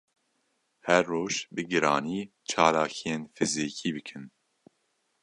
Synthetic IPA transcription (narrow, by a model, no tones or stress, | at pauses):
hɛɾːoːʒbɨɡɨɾɑːniː | t͡ʃʰɑːlaːkʰijenfɨziːkʰiːbɨkʰɨn